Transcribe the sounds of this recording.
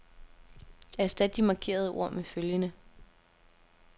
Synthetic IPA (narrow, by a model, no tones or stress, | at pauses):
æɐsd̥æ̥d̥imɑ̈kʰe̝̰ːɐð̞ˠəʔo̝̰ɐ̰meføljənə